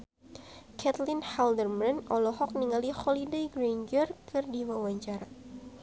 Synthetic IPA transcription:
kʰɛt̪linhaldərmɛnɔlɔhɔk̚niŋalixɔlidejɡɾand͡ʒərkɨrdiwawaɲt͡ʃaɾa

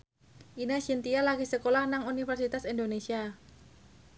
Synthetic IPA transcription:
ʔinasint̪ialaɡisəkolahnaŋunifərsit̪asindonesia

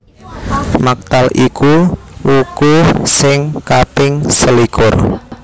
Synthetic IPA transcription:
mak̚t̪alʔikuwukusɪŋkapɪŋsəlikʊ̰r

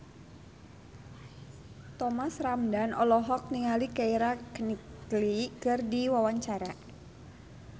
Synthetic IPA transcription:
t̪ɔmasramdanɔlɔɦɔk̚niŋalikaiɾakniklikɨrdiwawaɲt͡ʃaɾa

